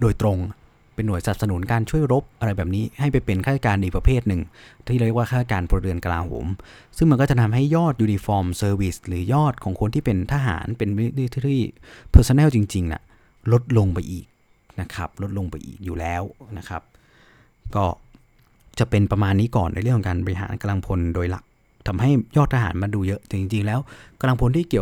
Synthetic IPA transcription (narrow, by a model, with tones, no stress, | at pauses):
doː˧jt̪ɾo˧ŋ | pe˧nːu˩˦jsa˨˩p̚sa˧nu˨˩˦nkaː˧nt͡ɕʰu˥˩əjɾo˦˥p̚ʔa˧ɾa˧jbɛː˨˩p̚niː˦˥ha˥˩jpa˧jpe˧nkʰa˥˩t̪a˥kaː˧nʔiː˨˩kp̚ɾa˧pʰeː˥˩t̪̚nɯ˨˩ŋt̪ʰiː˥˩a˧˦wi˥ə˩kwaː˥˩kʰa˥˩ta˥˩kaː˧npʰu˧ɾɯ˧ənka˧laː˧ɦo̰ː˩˦m | sɯ˥˩ŋm˧nkɔː˥˩t͡ɕa˨˩t̪ʰa˧mɦa˥˩jːɔː˥˩t̪̚juː˧ni˧fɔː˧msɤː˧wi˦˩slɯː˩˦jɔː˥˩t̪̚kʰɔː˩˦ŋkʰo˧nt̪ʰiː˥˩pe˧nt̪ʰaː˧ɦa̰ː˩˦npe˧n˦˥˧t̪ʰiː˥˩pʰɤː˥˩sa˧˥nɛː˥˩wt͡ɕi˧ŋt͡ɕi˧ŋna̰˨˩ | lo˦˥t̪̚lo˧ŋpa˧jʔḭː˨˩k̚ | na˦˥kʰa˦˥p̚lo˦˥t̪̚lo˧ŋpa˧jʔḭː˨˩k̚juː˨˩lɛː˦˥wna˦˥kʰa˦˥p̚ | kɔː˥˩ | t͡ɕa˨˩ʔpe˧npɾa˧maː˧nːiː˦˥kɔː˨˩nː˧jɾɯ˥˩kʰɔ˨˦ŋkaː˧nbɔ˧ɾi˧ɦa̰ː˩˦nka˧la˧ŋpʰo˧ndoː˧jla̰˨˩k̚ | t̪ʰa˧mɦa˥˩jjɔː˥˩t̪ʰːaː˧ɦaː˩˦nma˧nduː˧jɤ˦˥ʔt͡ɕ̪a˨˩t͡ɕi˧ŋt͡ɕi˧ŋlɛː˦˥wka˧la˧ŋpʰo˧nt̪ʰiː˥˩ki˨˩ə